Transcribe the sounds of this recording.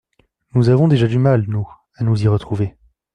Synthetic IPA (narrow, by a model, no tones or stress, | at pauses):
nuzavɔ̃d̪eʒad̪ymalnu | anuziʁət̪χuve